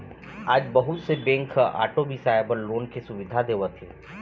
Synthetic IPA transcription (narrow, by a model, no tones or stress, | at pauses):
aːd͡ʒbɐɦʊt̪sebɛ̃ːŋkʰa̰ːʈobisaːjbəɾloːnkesʊʋɪd̪ʱad̪eːwat̪ʰẽː